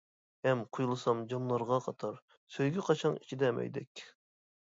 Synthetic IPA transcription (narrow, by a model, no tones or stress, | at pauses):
hɛmqʰujulˠɨsɑmd͡ʒɑmlˠɑɾʁɑqʰɑt̪ʰɑɾ | søjɡʲɛqʰɑt͡ʃʰɑnit͡ʃʰid̪ɛmʔɛ̰jd̪ɛkʲ